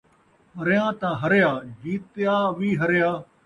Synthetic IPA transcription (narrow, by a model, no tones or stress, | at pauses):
ɦəɾjãːt̪ãːɦəɾjaːd͡ʒiːt̪jaːʋiːɦəɾjaː